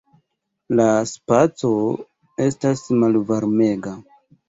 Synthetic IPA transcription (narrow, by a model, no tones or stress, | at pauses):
laspat͡so̞ | e̞stasmalvaɾme̞ɡa